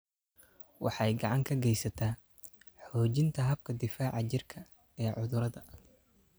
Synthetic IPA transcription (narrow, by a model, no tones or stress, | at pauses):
wɑ̰ħɑjɡɑʕɑŋkʰɐɡɛjsɐt̪ʰaː | ħɔːt͡ʃɪnt̪ʰɐɦɐb̚kʰɐd̪ɪfaːʕɑt͡ʃɪrkʰɐ | ɛːʕʊðʊɾɐðɐ